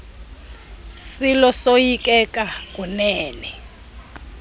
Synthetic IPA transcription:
silɔsojikʼɛk̬ʼak̬ʼunɛːnɛ

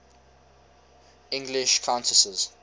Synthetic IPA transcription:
ɪ̃ŋɡlɪʃkʰãʊ̃ntʰəsəz̥

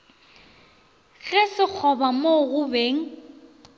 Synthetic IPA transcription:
ɣɛsɪk͡xʰɔbamoɣʊbeːŋ̩

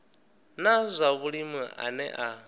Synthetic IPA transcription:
nazʷaβuɺimuʔa̰nɛ̰ʔa

